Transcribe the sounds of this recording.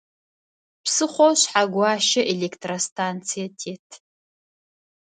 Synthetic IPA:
pʰsɨχʷowʃħaɡʷaʃɐʔelekʰtʰrostʰant͡sʰijatʰetʰ

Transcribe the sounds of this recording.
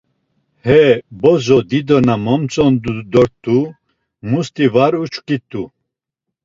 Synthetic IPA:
hɛbɔzɔd̪id̪ɔnamɔmt͡sʼɔnd̪ud̪ɔɾt̪ːu | must̪ivaɾut͡ʃʰkit̪ʰʼu

